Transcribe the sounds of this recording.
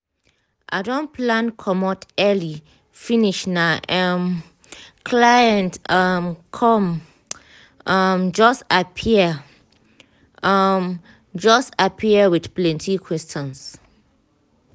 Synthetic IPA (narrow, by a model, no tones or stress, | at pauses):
ʔa̰dõnplãnkʰɔmɔtɛli | finiʃnaɛm | kʰlajɛ̃ntɔmkʰɔm | ɔmd͡ʒɔstapʰiə | ɔm | d͡ʒɔstapʰiəwiθplɛ̃ntʰikʰwɛstɔ̃ns